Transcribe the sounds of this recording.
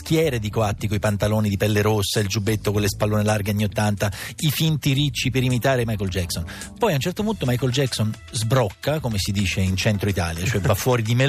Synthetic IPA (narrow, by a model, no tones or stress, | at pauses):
skjɛːɾed̪ikoat̪ːikoipant̪aloːnid̪ipɛlːeɾosːaild͡ʒubet̪ːokolːespalːoːnelarɡeaɲːiot̪ːant̪aifint̪iɾit͡ʃːipeɾimit̪aːɾemajkold͡ʒɛksonpɔjaunt͡ʃɛrt̪opunt̪omajkold͡ʒɛkson | zbɾɔkːakomesid̪iːt͡ʃeint͡ʃɛnt̪ɾoit̪a̰ːljat͡ʃoɛvafːwɔːɾid̪ime